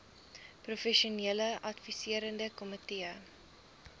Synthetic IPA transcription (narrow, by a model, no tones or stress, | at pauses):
profɛʃuniələʔɐtfisiəɾəndəkɔmətiə